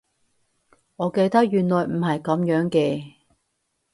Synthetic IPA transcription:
ŋɔː˨˧ke˧jt̪ɐ˥k̚jyː˨˩nlɔː˨jm̩˨˩hɐ˨jkɐ˨˥mjœː˨˥ŋkɛː˧

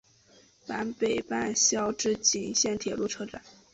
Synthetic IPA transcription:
pa˧˥npe˨˩ɪpa˥˧nɕjɑ˥ʊʈ͡ʂɻ̩˥˩t͡ɕi˨˩ŋɕjɛ˥˩nt̪ʰjɛ˨˩lu˥˩ʈ͡ʂʰɤ˥ʈ͡ʂa̰˨˧˩n

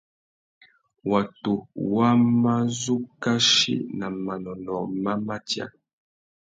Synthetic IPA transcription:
wa˨to˨wa˦ma˦zu˦ka˦ʃḭ˦na˨ma˨nɔ˨nɔ˨ma˦ma˦tja̰˦

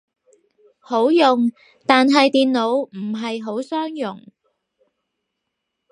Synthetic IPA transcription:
ho˨˥wjʊ˨ŋ | t̪aː˨nɦɐ˨jt̪iː˨nlo˨˧wm̩˨˩ɦɐ˨jɦo˨˥wsœː˥ŋjʊ˨˩ŋ

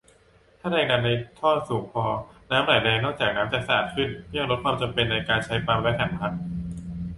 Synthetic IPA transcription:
t̪ʰaː˥˩ɾɛː˧ŋaː˧nːa˧jt̪ʰɔː˥˩suː˩˦ŋpʰɔː˧naː˦˥mɾaː˨˩jdɛː˧ŋnɔː˥˩kt͡ɕaː˨˩k̚naː˦˥mt͡ɕa˨˩sa˨aː˨˩t̪̚kʰɯ˥˩nli˥˩əŋɾo˦˥t̪̚kʰaː˧mt͡ɕa˧mpe˧nːa˧jkaː˧nt͡ɕʰa˦˥jpaː˧mlɛ˦˥kʰa˨˩˦npʰa˧n

